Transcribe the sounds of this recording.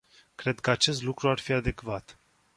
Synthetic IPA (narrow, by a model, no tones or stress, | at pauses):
kɾe̞d̪kəat͡ʃe̞s̬t̪lukɾuarfiad̪e̞kvat̪